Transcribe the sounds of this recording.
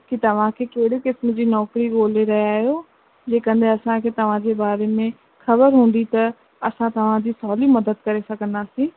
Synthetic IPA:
kit̪ɐʋ̤ãkʰeːkeɦɽikɪsmd͡ʑiːnɔːkɾiɡoːleɾɐɦijaːɦjo | d͡ʑeːkɐ̃nd̪ʱeɐsãkʰeːt̪ɐʋ̤ãd͡ʑeːbaːɾemẽ | xɐbəɾɦũːnd̪it̪ɐ | ɐsãt̪ɐʋ̤ãd͡ʑiːsɔːlimɐd̪əd̪̚kɐɾesɐɡʱə̃nd̪aːsĩː

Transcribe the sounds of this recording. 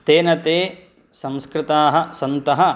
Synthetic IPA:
t̪eːnɐt̪eː | sɐ̃mskɾɪt̪aːɦɐ̆sɐnt̪ɐɦɐ̆

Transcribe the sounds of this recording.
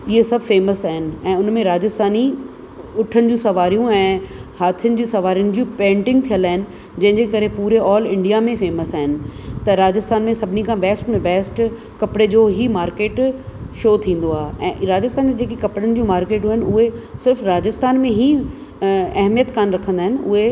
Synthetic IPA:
ɪɦesɐbʱfeːməsaːɦɪnɪ̆ɛ̃ːʊnmẽɾaːd͡ʑɪst̪ʰaːni | ʊʈʰənɪ̆d͡ʑũsɐʋaːɾijũɛ̃ːhaːt̪ʰijənɪ̆d͡ʑũsɐʋaːɾijənɪ̆d͡ʑũpẽːɳʈɪ̃ŋɡ̚t̪ʰijəlaːɪnɪ̆ | d͡ʑɐ̃ɦɪ̃ɲd͡ʑekɐɾepuːɾeɔːlɪ̃ɳɖijamẽfeːməsaːɦɪnɪ̆t̪ɐɾaːd͡ʑɪst̪ʰaːnmẽsɐbʱɪnikʰãbɛːsʈmẽbɛːsʈ | kɐpɽed͡ʑoːɦimaːɾkeːʈʃoːt̪ʰĩːn̆d̪oaːɦeʔɛ̃ːɾaːd͡ʑɪst̪ʰaːnd͡ʑad͡ʑeːkekɐpɽənɪ̆d͡ʑũːmaːɾkeːʈɦuːɦɪnʊɦesɪɾfɾaːd͡ʑɪst̪ʰaːnmẽɦi | ɐɦmijət̪kaːnɾɐkʰə̃nd̪aɦɪnɪ̆ʊɦe

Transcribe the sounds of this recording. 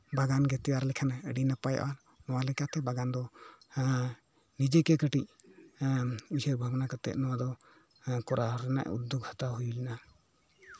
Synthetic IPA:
baɡanɡɛt̪ɛjaɾlɛkʰanaəɖinapaja̰ʔa | nɔwalɛkat̪ɛbaɡand̪ɔ | nid͡ʒɛkɛkəʈic̚ | usəɾbʱabnakat̪ɛ̰ʔ̪̚nɔwad̪ɔ | kɔɾʔaɾɛna̰ʔṵd̪ːuk̚hḁt̪aɦujulina

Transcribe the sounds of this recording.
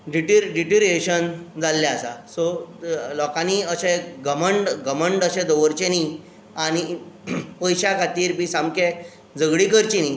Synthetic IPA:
ɖiʈiɾɖiʈiɾeɕənd͡zalːjaəsa̰sɔlɔkaniəɕẽɡəməɳɖɡəməɳɖəɕɛ̃d̪oʋəɾt͡ɕeni | aɽ̃i | pəjɕakʰat̪iːɾbiːsamke | d͡zəɡɽikəɾt͡ɕini

